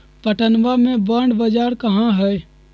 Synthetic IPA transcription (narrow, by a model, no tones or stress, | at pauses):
pəʈənʋamẽbəɳɖbəd͡ʒaːɾkəɦãɦɛ